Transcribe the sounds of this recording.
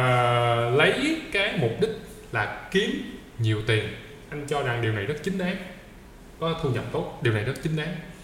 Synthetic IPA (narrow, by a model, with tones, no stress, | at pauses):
əː˨˩lə˨˦jkaː˨˦jmu˨˩p̚ɗï˥k̚ | laː˨˩ki˨˦əm | ɲi˨˩əwt̪i˨˩ən | ʔa˧jŋ̟t͡ɕɔ˧ɗaː˧ŋɗi˨˩əwna˨˩jzə˦˥t̚t͡ɕï˨˦ŋ̟ɗaː˨˦m | kɔ˨˦t̪ʰɨ˧əŋɲə̰˨˩p̚t̪o˦˥t̚ɗi˨˩wna˨˩jzə˦˥t̚t͡ɕï˨˦ŋ̟ɗaː˨˦m